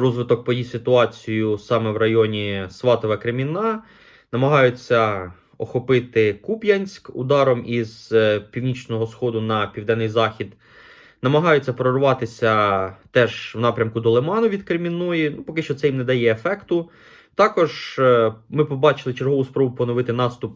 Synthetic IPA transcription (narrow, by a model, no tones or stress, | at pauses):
ɾɔzʋɪt̪ɔk̚pɔjisɪt̪ʊɑt͡sʲijʊsɑmɛwrɐjɔnʲisʋɑt̪ɔʋɐkɾemʲinɑ | nɐmɐɦɑjʊt͡sʲːɐ | ɔxɔpɪt̪ɪkupjɐnʲsʲkʊ̰d̪ɑɾɔmizpʲiwnʲit͡ʃnɔɦɔsxɔd̪ʊnɐpʲiwd̪ɛnːɪjzɑxʲid̪ | nɐmɐɦɑjʊt͡sʲːɐpɾɔrʋɑt̪ɪsʲɐt̪ɛʒwnɑpɾʲɐmkʊd̪ɔlˠemɑnʊʋʲid̪kɾemʲinɔjinupɔkɪʃt͡ʃɔt̪sɛjimned̪ɐjɛefɛkt̪ʊ | t̪ɑkɔʒ | mɪpɔbɑt͡ʃɪlˠɪt͡ʃeɾɦɔʋʊspɾɔbʊpɔnɔʋɪt̪ɪnɑst̪ʊp